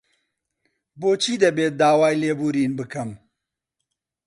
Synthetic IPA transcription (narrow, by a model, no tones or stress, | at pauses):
boːt͡ʃʰiːd̪ɐbeːt̪̚d̪aːwaːjleːbuːɾiːnbɨkɨm